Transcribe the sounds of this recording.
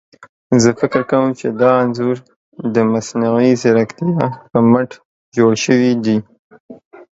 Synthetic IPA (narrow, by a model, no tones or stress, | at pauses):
zəfɪkɪɾkawəmt͡ʃed̪ɑanzuɾ | d̪əmasnawizɪɾakt̪ijɑpəmaʈ | d͡ʒoɽʃəwid̪i